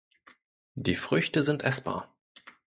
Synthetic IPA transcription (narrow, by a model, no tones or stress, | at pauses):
d̥iːfʁ̥ʏçtəzɪntʔɛsb̥a̰ːɐ